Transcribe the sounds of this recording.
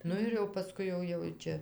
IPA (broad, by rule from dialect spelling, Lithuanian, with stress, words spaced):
ˈnʊ ɪr jɛʊ pɐˈskʊɪ ˈjɛʊ jɛʊ ˈt͡ʃʲɛ